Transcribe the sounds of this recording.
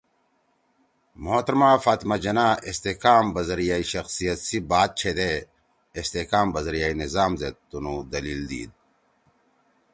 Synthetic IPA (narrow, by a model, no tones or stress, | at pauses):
moːt̪ɾmaːfaːt̪mad͡ʑɐnaːest̪ekaːmbɐzɐɾijaːiɕɐxsijɐt̪sibaːt̪̚t͡ɕʰed̪eː | st̪ekaːmbɐzɐɾijaːinizaːmzet̪unud̪ɐliːld̪ḭːd̪̚